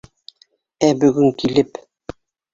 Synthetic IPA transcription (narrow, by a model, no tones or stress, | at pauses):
æbɵ̆ɡɵŋkilɘp